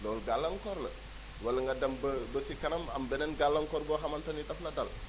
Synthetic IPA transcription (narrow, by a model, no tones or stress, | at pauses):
dɔlɡalːɐŋkɔɾlə̰ | wɐlɐŋɡɐdɐmbəbəsikɐnɐmɐmbɛnɛnɡalːɐŋkɔɾbɔːxɐmɐntɐniɗɐfnɐdɐl